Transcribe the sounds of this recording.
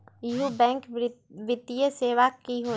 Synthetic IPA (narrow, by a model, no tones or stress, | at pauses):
ɪɦubɛ̃ːŋk | ʋɪt̪ijəseːʋakiɦoː